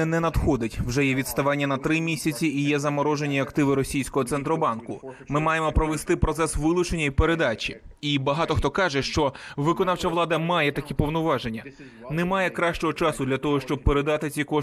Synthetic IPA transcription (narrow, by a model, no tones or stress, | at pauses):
ɛnɛnɐd̪xɔd̪ɪtʲwʒɛjɛʋʲid̪st̪ɐʋɑnʲːɐnɐt̪ɾɪmʲisʲɐt͡sʲiːjɛzɐmɔɾɔʒe̞nʲiɐkt̪ɪʋɪɾɔsʲijsʲkɔɦɔt̪sɛnt̪ɾɔbɑnkʊ | mɪmɑjemɔpɾɔʋest̪ɪpɾɔt̪sɛsʋɪlˠʊt͡ʃe̞nʲːɐipeɾed̪ɑt͡ʃʲḭibɐɦɑt̪ɔxt̪ɔkɑʒɛʃt͡ʃɔʋɪkɔnɑwt͡ʃɐʋlˠɑd̪ɐmɑjɛt̪ɐkʲipɔʋnʊʋɑʒe̞nʲːɐ | nemɑjɛkɾɑʃt͡ʃɔɦɔt͡ʃɑsʊd̪lʲɐt̪ɔɦɔʃt͡ʃɔb̚peɾe̞d̪ɑt̪ɪt͡sʲikɔ